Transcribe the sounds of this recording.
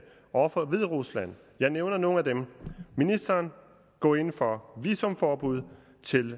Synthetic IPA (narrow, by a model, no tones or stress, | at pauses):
ɒfɒʋe̝ð̞ˠʁuslæn̰ | jɑ̈ɪneʊnɐno̝ːn̩æd̥emminisd̥ɐːn | ɡ̥ɒ̰ːe̝nfɒ̽ʋḭːsɔ̽mfɒːb̥uð̞̰ˠ | t͡sʰe̝l